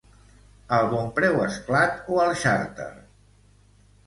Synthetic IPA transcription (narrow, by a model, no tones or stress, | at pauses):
əlˠβompɾɛwəsklat̪oəlˠʃaɾt̪ə̰